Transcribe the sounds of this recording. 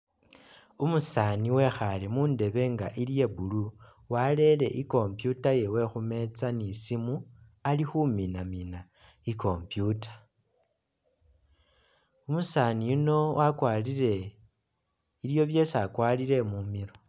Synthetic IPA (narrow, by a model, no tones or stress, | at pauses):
umusaniwe̞xalemuːnde̞βe̞ŋɡa̰ʔilije̞bulu | wale̞le̞ʔiko̞mpjutaje̞we̞xume̞t͡sanisimualixuminamina | iko̞mpjutḁ | umusanijuno̞wʔakwaːliɾe̞ | iljo̞βje̞sakwaliɾe̞mumiɾo